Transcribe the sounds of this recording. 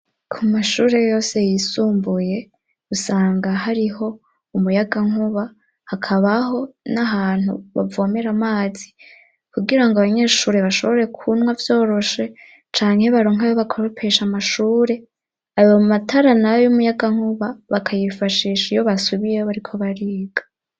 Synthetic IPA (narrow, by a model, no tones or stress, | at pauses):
kʰumaʃuːɾe̞jo̞ːse̞jisuːmbuje̞ | usaːŋɡahaɾiɦo̞ | umujaɡaŋ̥uβa | hakʰaβaɦo̞naɦaːn̥hṵβa̰voːme̞ɾamaːzi | kuɡiɾaŋɡoaβaɲe̞ːʃuːɾe̞βaʃo̞βo̞ɾe̞kʰunwavjo̞ːɾo̞ʃe̞ | t͡ʃaːŋhe̞βaɾoːŋajoβakʰoβopʰeʃamaʃuːɾe̞ | aβomumatʰaɾanaojumujaɡaŋ̥huβaβakʰajifaʃiːʃijo̞βasuβijeoβaɾikʰo̞βaɾiːɡ̥ḁ